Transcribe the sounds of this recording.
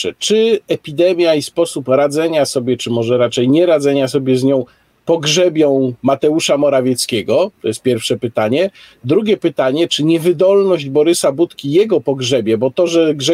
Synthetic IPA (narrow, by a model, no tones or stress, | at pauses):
ɛ̰t͡ʂɘɛpʲid̪ɛmʲjaispɔsupɾad̪zɛɲasɔbʲjɛt͡ʂɘmɔʐɛɾat͡ʂɛjɲɛɾad̪zɛɲasɔbʲjɛzɲɔ̃w̃ | pɔɡʐɛbʲjɔ̃w̃mat̪ɛuʂamɔɾavʲjɛt̪skʲɛɡɔt̪ɔjɛst̪pʲjɛɾfʂɛpɘt̪aɲɛd̪ɾuɡʲɛpɘt̪aɲɛt͡ʂɘɲɛvɘd̪ɔlnɔʑd͡ʑbɔɾɘsabut̪kʲijɛɡɔpɔɡʐɛbʲjɛbɔt̪ɔʐɛɡʐɛ